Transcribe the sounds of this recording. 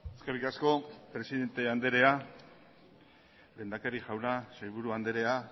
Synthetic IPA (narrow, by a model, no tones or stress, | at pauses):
eske̞rikasko̞pɾe̞siðe̞nt̪e̞and̪e̞ɾe̞a | le̞ːnd̪akeɾiʝawnasajβ̞uɾuand̪e̞ɾe̞a